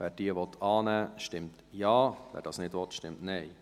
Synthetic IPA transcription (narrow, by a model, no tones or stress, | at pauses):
ʋæːɾdiəʋɔt̪ʰɑːnæːʃtɪmt | jɑːʋæ̰ːɾdɑːsnɪdʋɔt̪ʃtɪmtnɛɪ